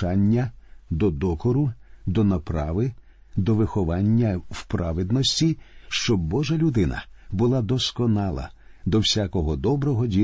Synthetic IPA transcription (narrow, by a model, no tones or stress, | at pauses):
anʲːɐd̪ɔd̪ɔkɔɾʊd̪ɔnɐpɾɑʋɪ | d̪ɔʋɪxɔʋɑnʲːɐwpɾɑʋɪd̪nɔsʲtʲiʃt͡ʃɔbːɔʒɐlʲʊd̪ɪnɐ̰bʊlˠɑd̪ɔskɔnɑlˠɐ̰ | d̪ɔwsʲakɔɦɔd̪ɔbɾɔɦɔdʲi